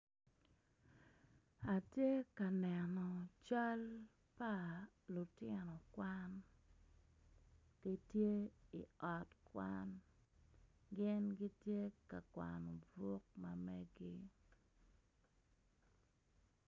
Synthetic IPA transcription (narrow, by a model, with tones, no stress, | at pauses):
a˨tje˦ka˨nɛ˨nɔ˨t͡ʃa˦l | pa˦ | lʊ˨tɪ˦nɔ˨kwa˦n | ɡ̥i˦tje˦ḭ˨ɔ˨tkwa̰˦n | ɡɪ˦nɡi˦tje˦ka˨kwa̰˨nɔ˨bo˦k̚mamɛ˦ɡi˦